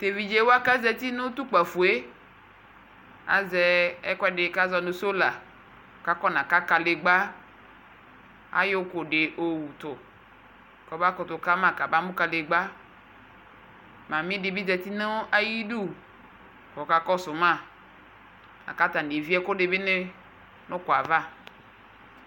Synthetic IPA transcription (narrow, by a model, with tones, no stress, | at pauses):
t̪e˨vi˨d͡ʒe˨˦wo˦a˦ka˦zɛ˦t̪i˦nʊ̃˦t̪u˦k͡pa˨fu˨e˦ | a̰˨zɛ˨ɛ˦kɛ˦ɖɪ˨ka˦zɔ˨nʊ̃˨so˦la˨ | ka˦kɔ˦nã˨ka˦ka˨le˨ɡ͡ba˦ | a̰˦jo˦ko˨ɖɪ˨ʔo˨wu˨t̪ʊ˨ | kɔ˨ba˦kʊ˨t̪ʊ˨ka˦mã˨ka˨ba˦mũ˦ka˨le˨ɡ͡ba˦ | mã˨mĩ˦dɪ˨bi˦d͡ʒɛ˨t̪i˦nẽ˦ʔa˦ji˦ɖu˦˨ | kɔ˨ka˨kɔ˦sʊ˨mã˦˨ | a̰˨ka˦t̪a˨e˨vi˦ɛ˦ko˦ɖe˨be˦nɪ˦ | nʊ̃˦kʊ˨a˨va˦˨